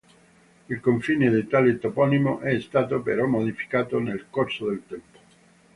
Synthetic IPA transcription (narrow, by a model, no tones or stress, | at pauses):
ilkoɱfiːned̪et̪alet̪opɔnimoʔɛst̪aːt̪opḛɾɔmːod̪ifi̥kaːt̪onelkorsod̪elt̪ɛmpo̥